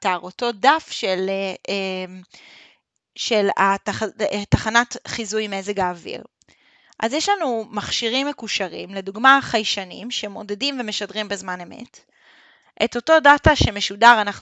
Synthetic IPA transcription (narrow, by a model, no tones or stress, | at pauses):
taʁo̞to̞dafʃeleem | ʃe̞latataχanatχizujmeezeɡaːvḭʁ | ʔa̰zjɛʃlanumaχʃiʁimːe̞kuʃaʁḭmle̞duɡmaχajʃanimʃeemo̞de̞dimve̞meʃadʁimbezmane̞me̞̰t | ʔeto̞to̞dataʃe̞me̞ʃudaʁanaχ